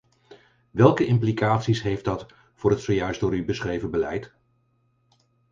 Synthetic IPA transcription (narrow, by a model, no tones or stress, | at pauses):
ʋɛlˠkəɪmplikaːtsisɦejfdɑt | v̥ʊːɹɦətsowjœɥsdʊːɹybəsχrejvəbəlɛ̰jt